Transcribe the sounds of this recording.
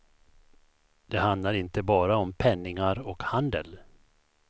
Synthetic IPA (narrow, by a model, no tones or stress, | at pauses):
d̪̥ɛhand̪laɾɪnt̪əbɑːɾaɔmpʰɛnːɪŋaɾɔkhand̪əl